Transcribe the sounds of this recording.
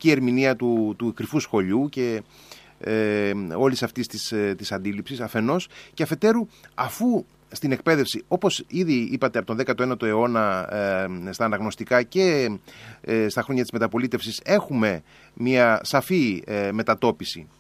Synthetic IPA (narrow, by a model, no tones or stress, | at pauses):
cie̞ɾminiɐt̪ut̪ukɾifusxo̞ʎuce̞ | o̞lisɐft̪ist̪ist̪isɐnd̪ilipsisɐfe̞no̞sceɐfe̞t̪e̞ɾuɐfu | st̪ine̞k̚pe̞ðe̞fsio̞po̞siðiipɐt̪e̞ɐpot̪nðekɐt̪oenɐt̪o̞e̞o̞nɐ | st̪ɐːnɐɣno̞st̪ikɐce̞ | st̪ɐxɾo̞ɲɐt̪izme̞t̪ɐpo̞lit̪efsise̞xume̞ | miɐsɐfime̞t̪ɐt̪o̞pisi